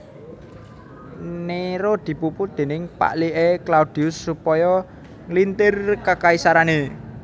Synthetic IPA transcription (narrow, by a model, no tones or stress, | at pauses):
neɾod̪̥i̤pupud̪̥e̤nɪŋpa̰ʔliʔeklaud̪̥iʊsːupɔjɔ | lint̪ɪrkakaisaɾane